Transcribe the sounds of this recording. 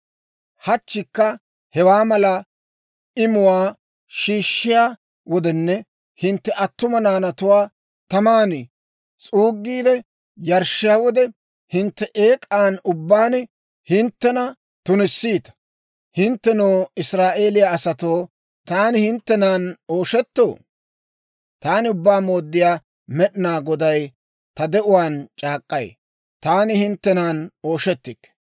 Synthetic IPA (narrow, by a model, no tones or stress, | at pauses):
hɐt͡ʃːɪkːɐ | hɛwaːmɐlɐ | ɪmʊwaː | ʃiːʃːɪjaː | wɔd̪ɛnːɛ | hɪnt̪ːɛʔɐt̪ːʊmɐnaːnɐt̪ʊwaː | t̪ɐmaːneː | t͡sʼuːɡːiːd̪ɛ | jɐɾʃːɪjaːwɔd̪ɛ | hɪnt̪ːɛʔe̞ːkʼaːnʊbːaːn | hɪnt̪ːɛnɐ | t̪ʊnɪsːiːt̪ɐ̥ | hɪnt̪ːɛnoːɪsɾaːʔe̞ːlɪjaːsɐt̪oː | t̪aːnɪhɪnt̪ːɛnaːno̞ːʃɛt̪ːo̞̰ː | t̪aːnɪʊbːaːmo̞ːd̪ːɪjaː | mɛɗɪnaːɡɔd̪ɐj | t̪ɐd̪ɛʔʊwaːnt͡ʃʼaːkʼːɐj | t̪aːnɪhɪnt̪ːɛnaːno̞ːʃɛt̪ːɪkː